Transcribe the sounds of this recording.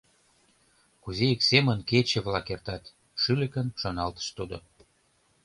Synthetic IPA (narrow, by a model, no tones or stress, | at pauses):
kuzeeksemənket͡ɕĕβlɑkert̪ɑt̪ | ʃylə̆kənʃonɑlt̪ə̥ʃt̪ud̪o̰